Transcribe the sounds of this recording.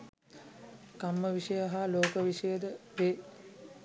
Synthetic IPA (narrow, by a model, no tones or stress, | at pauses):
kamːəʋiʂəjəɦaloːkəʋiʂəjəd̪əʋeː